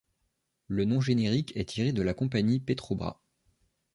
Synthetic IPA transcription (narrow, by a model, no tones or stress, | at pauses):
lənɔ̃ʒeneʁikʰɛt̪ʰiʁed̪əlakɔ̃paɲipet̪χobʁa̰